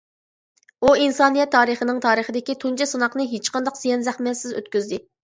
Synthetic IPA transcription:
uinsɑnijɛt̪ʰːɑːɾəχənɪŋt̪ʰɑːɾəχəd̪ɪkʲit̪ʰunt͡ʃʰɛsɨnɑqnɨɦet͡ʃqʰɑnd̪ɑqsijɛnzæχmɛsɪzø̰t̪kʲyzd̪ɪ

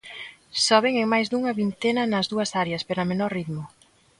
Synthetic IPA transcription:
sɔβeŋeŋmajzd̪uŋɐβint̪enɐnɐzðuɐsaɾjɐspeɾɐmenɔɾriðmʊ

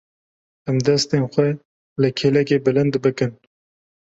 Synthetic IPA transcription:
æmd̪ɛst̪eːnxʷɛ | lɨkʰelɛkeːbɨlɨnd̪bɨkɨn

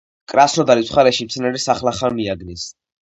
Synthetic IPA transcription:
kʼɾasnɔd̪aɾit̪sʰχaɾɛʃimt̪sʰnɛɾisaχlaχanmiaɡnis

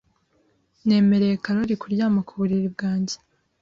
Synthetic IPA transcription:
ne̞ːme̞ɾe̞jekaɾoɾikuɾɟaːmakuβuɾiɾibɡaːɲɟe̥

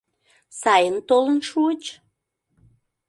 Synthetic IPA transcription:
sɑjənt̪olənʃuət͡ɕ

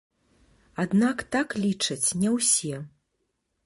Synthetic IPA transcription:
ad̪nakt̪aklʲit͡ʂɐt͡sʲnʲɛwsʲɛ

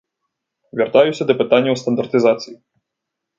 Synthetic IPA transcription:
vʲart̪ajusʲɐd̪ɐpɨt̪anʲːɐwst̪ɐnd̪ɐrt̪ɨzat̪sɨji

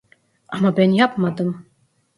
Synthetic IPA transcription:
ɑmɑbɛnjɑpmɑd̪ɤm

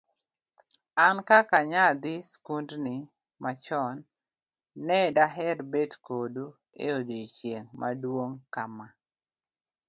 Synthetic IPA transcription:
ankakaɲad̪ɪskundni | mat͡ʃɔnː | ɛdaɦɛɾbedkodu | ḛodit͡ʃjeŋma̰dwoŋkama

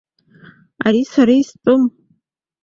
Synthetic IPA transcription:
aɾisaɾaistʼɨm

